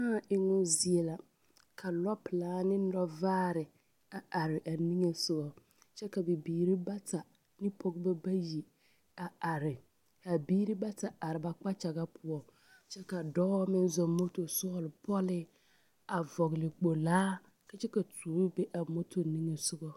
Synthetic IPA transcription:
aː˦˨ɪ˨ŋɔ˦zi˨ɛ˨la˨ | kʰa˨lɔ˦pɪ˨laː˦nɪ˦dɔ˦vaː˦ɾɪ˨ | a˨ʔa˨ɾɪ˨ʔa˨ni˦ŋe˨sʊ˦ɡɔ˨ | t͡ʃɛ˦ka˨bɪ˨biː˨ɾi˦ba˦ta˨ | nɪ˦pʰo˦ɡba˦ba˦ji˨ | a˨a˨ɾɪ˨ | ha˨biː˦ɾi˦ba˦ta˨ʔa˨ɾɪ˨ba˦k͡pa˦t͡ʃa˨ɣa˦pʰʊ˦ɔ˨ | t͡ʃɛ˦ka˨dɔː˦mɪ˦n˦zɔ˨mo˦to˨sɔ˦˨lɪ˨pɔ˦lɪ˦ | a˨vɔ˨ɣɪ˨lɪ˨k͡po˨laː˦ | ka˦t͡ʃɛ˦ka˨tʰuː˨˦be˦ʔa˨mo˦tʰo˨ni˦ŋe˨sʊ˦ɡɔ˦

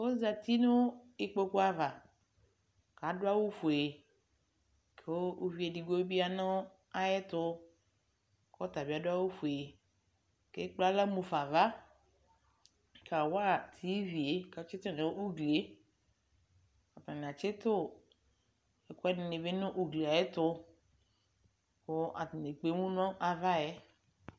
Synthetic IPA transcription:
o˦za˨tʰi˦nʊ˦ɪ˨k͡po˦ku˦a˨va˨ | ka˨˦dʊ˦a˦wo˦fʊ˨e˨e˨ | kʰe˨wo˦o˦vi˨e˨di˨ɡo˦bi˦a˦nʊ̃˦ | a˦jɛ˦tʊ˦ | kɔ˦ta˨bi˨˦a˨dʊ˦a˦wo˦fu˨e˨e˨ | ke˦k͡pla˦la˦mũ˨fa˨va˦ | kʰa˨wa˦˨tʰi˨˦vi˨e˨˦ka˨˦t͡ʃe˦tʊ˦˨nẽ˨o˦u˦ɡle˨˦ | a˨tã˨n˨a˨t͡ʃe˦tʊ˦˨ | ɛ˨kɔ˦ɛ˦nɪ˧nɪ˨be˦nʊ̃˦ʔu˨ɡle˨a˨jɛ˦tʊ˧ | ko˦ʔa˨ti˨ne˨k͡pe˨˦mũ˦n˦ɔ̃˦ʔa˧va˦jɛ˦

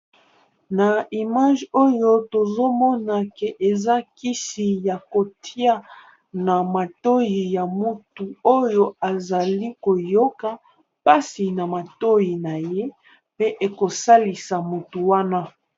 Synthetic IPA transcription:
na˨i˨ma˦ʒo˦jo˦to˨zo˦mɔ˦na˨ke˨ʔe˨za˦ki˦si˨ja˨ko˨tʰi˦a˦ | na˨ma˨to˦ji˨ja˨mu˨tu˨o˦jo˦a˨za˨li˦ko˨jo˦ka˦ | pa˦si˨na˨ma˨to˦ji˨na˨je˦ | pe˦ʔe˨ko˨sa˦li˨sa˨mo˨tu˨wa˦na˦

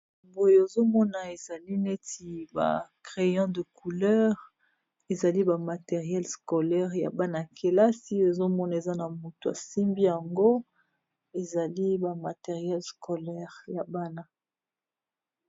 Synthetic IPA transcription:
mbo˨jo˨e˨zo˦mɔ˦na˨e˨za˨li˦ne˦ti˨ba̰˨kʁe˨jɑ̃˦də˨kʰu˨lœ˦ʁ | e˨za˨li˦ba˨ma˨te˨ʁjɛ˦lskɔ˨lɛ˦ʁja̰˨ba˦na˨kʰe˨la˦si˦e˨zo˦mɔ˦na˨e˨za˦na˨mo˨to˨a̰˨si˦mbi˦ja˨ŋɡo˦ | e˨za˨li˦ba˨ma˨te˨ʁjɛ˦lsko˨lɛ˦ʁja˨ba˦na˦

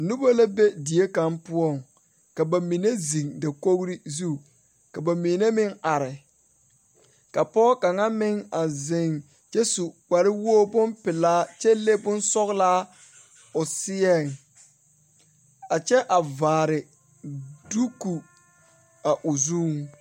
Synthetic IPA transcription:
nu˦ba˦la˦be˦di˨e˦ka˦mpʊ˦ɔ˦˨ŋ | ka˨ba˨mi˨ne˦zi˨ŋda˨ko˦ɣɾi˦zu˦˨ | ka˨ba˨mi˨ne˦mɪ˦ŋa˨ɾɪ˨ | ka˨pɔ˦ka˨ŋa˦mɪ˦ŋa˨zɪ˨ŋ | t͡ʃɛ˦su˨k͡pa˨ɾɪ˦wo˦bʊ˦npɪ˨laː˦t͡ʃɛ˦le˦bʊ˦nsɔ˦ɣlaː˦ | ʊ˨sɪ˦ɛ˦˨ŋ | a˨t͡ʃɛ˦ʔa˨vaː˨ɾɪ˨ | du˦ku˨ | a˨ʔʊ˨zu˦ŋ

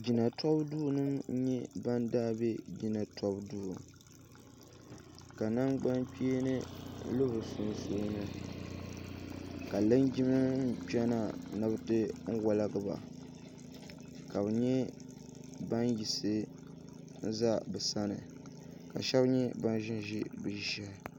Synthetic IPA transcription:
d͡ʒi˨na˨tɔ˦bduː˦nɨ˦m˦ɲɛ˦ba˦ndaː˦˨bɛ˦d͡ʒi˨na˨tʰɔ˦bduː˦˨u˨ | ka˨na˦ŋɡ͡ba˦nk͡piː˦nɨ˦lo˦bɨ˨sʊ˦n˦soː˦nɨ˦ | ka˨lɨ˦nd͡ʒi˦mɨ˦n̩˦pɛ˦na˨nɨ˦bɨ˦tɨ˦ŋ̩˦wa˦la˦ɡɨ˦˨ba̰˨ | ka˨bɨ˨ɲɛ˦ | ba˦nji˨sɨ˦ | n̩˦za˦bɨ˨sa˦nɨ˨ | ka̰˨ʃɛ˦bɲɛ˦ba˦n˦ʒɪ˦n˦ʒi˦bɨ˨ʒɛ˦˨

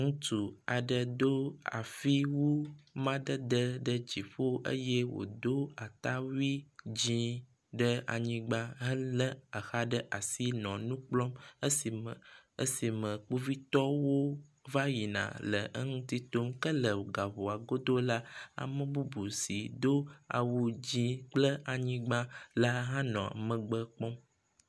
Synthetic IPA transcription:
ŋũ˦t̪u˨a˨ɖə˨d̪o˦a̰˨fi˦wu˦mã˦ɖə˦d̪ə˦ɖə˦d͡ʑi˨ɸo˦ʔə̰˦je˦wo̰˨d̪o˦a˨t̪a˦wi˦d͡ʑĩ˦ | ɖə˦a̰˨ɲĩ˦ɡ͡ba˦ɦə˦lə˦a˨xa˦ɖə˦ʔa˨si˦nɔ̃˨nũ˦k͡plɔ˦mə˦si˨ə˦si˨mə̃˨k͡pu˦vi˦t̪ɔ˦wo˦va˦ji˨nã̰˨lə˨ʔə̰˦ŋũ˦t̪i˦t̪o˦mkə˦lə˨wo˨ɡa˨βo˨a˨ɡo˦d̪o˦la˦a̰˨mə̃˦bu˦bu˨si˨d̪o˦a̰˨wu˦d͡ʑĩ˦k͡plə˦a˨ɲĩ˦ɡ͡bã˦la˦ɦã˦nɔ̃˨a̰˨mə̃˨ɡ͡bə˦k͡pɔ̃˦m

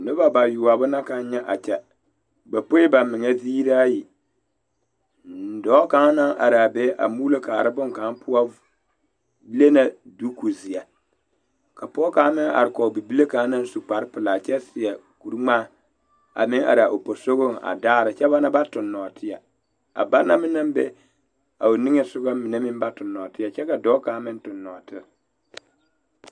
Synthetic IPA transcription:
nʊ˦ba˦ba˨juː˨a˨bʊ˦na˦ka˨n˦ɲɛ˦ʔa˨t͡ʃɛ˨ | ba˨po˦ba˨mɪ˨ŋɛ˦ziː˦ɾa˦a˦ji˨ | nn̩˨dɔː˨˦ka˦ŋ˦na˦ŋʔa̰˨ɾa˨beː˦ʔa̰˨muː˦lo˦kaː˨ɾɨ˦bʊ˦ŋka˨˦n˦pʰʊ˦a˦ | ble˦na˨du˦ku˨zi˨ja˨ | ka˨pɔː˦kaː˦mɪ˦a̰˨ɾɪ˨kɔ˨bi˨bi˦le˦kaː˨˦na˦n˦su˨k͡pa˨ɾɪ˦pɪ˨laː˨t͡ʃɛ˦sɪ˨ja˨ | ku˨ɾŋ͡maː˦˨ | a̰˨mɪ˦ŋa̰˨ɾa˨ʔo˨po˨so˦ɣo˦˨ŋa̰˨daː˦ɾɪ˨t͡ʃɛ˦ba˦na˦ba˦tʊ˨nːɔ˨tʰɪ˦ja̰˨ | a̰˨ba˦nːa˦mɪ˦na˦m˦bɛ̰˦ | a˨o˨nɪ˦ŋɛ˨sʊ˦ɡa˦mɪ˨ne˦mɪ˦m˦ba˦tʊ˨nːɔ˨tɪ˦ja˨t͡ʃɛ˦ka˨dɔː˦kaː˨˦mɪ˦n˦tʊ˨nːɔ˨tɪ˦

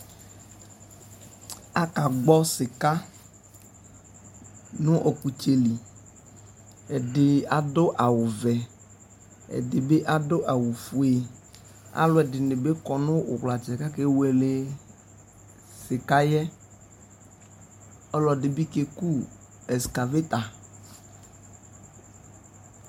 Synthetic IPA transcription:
a˦ka˨ɡ͡bɔ˦sɪ˨ka˦ | nʊ̃˦ʔo˨ku˨t͡ʃe˨li˨ | ɛ˨dɪ˨a˨do˦ʔa˨wʊ˨vɛ˨ | ɛ̰˨dɪ˨be˦ʔa˦do˦ʔa˨wu˨fu˨e˨ | a̰˦lʊ˦ɛ˨dɪ˨nɪ˨be˦kɔ˨nʊ̃˦wʊ̰˨kla˨t͡ʃɛ˨ka˦ke˦we˨le˨ | sɪ˨ka˦jɛ˦ | ɔ˦lɔ˨dɪ˨bi˦ke˦ku˦ | ɛ˨ska˨ve˦t̪a˨

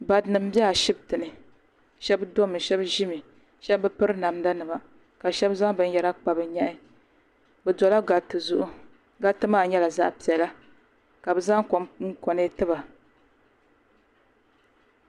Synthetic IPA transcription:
ba˨dnɨ˨m̩˦bi˦ɛ˦a˨ʃi˦b̚tɨ˨nɨ˨ | ʃɛ˦bdo˦mɨ˨ʃɛ˦bʒi˦mɨ˨ | ʃɛ˦bbɨ˦pɨ˦ɾɨ˦na˨m˦da˦nɨ˨ma˨ | ka˨ʃɛ˦bza˦ŋbɨ˦n˦jɛ˨ɾa˦k͡pa˨bɨ˨ɲɛ˦ʔɪ˦ | bɛ˨dɔ˨la˦ɡa˨tɨ˨zʊ˦ʔʊ˦ | ɡa˦tɨ˦maː˦˨ɲɛ˦la˨za̰˦ʔpi˨ɛ˨la˦ | ka˨bɨ˨za˦ŋkŋ̩˦kɔ˨nɨ˦tɨ˦ba˨

